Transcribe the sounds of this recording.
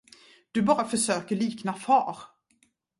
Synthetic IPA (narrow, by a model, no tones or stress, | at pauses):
d̪̥ɵbɑːɾafœʂøːkəɭiːknafɑːɾ